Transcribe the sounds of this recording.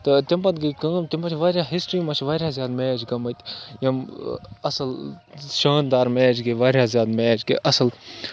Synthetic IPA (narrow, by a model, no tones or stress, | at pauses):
t̪ɨt̪impɐt̪ɡɐkɐ̃ːmt̪impɐt͡ʃʰʋaːɾʲjaɦisʈɾiːmɐt͡ʃʰʋaːɾʲjaːzʲjaːd̪meːd͡ʒɡɐmɐjt̪ʲjɐmɐsɐlʃaːnd̪aːɾmeːd͡ʒɡɐʋaːɾʲjaːzjaːd̪meːd͡ʒɡɐ̰ʔɐsɐl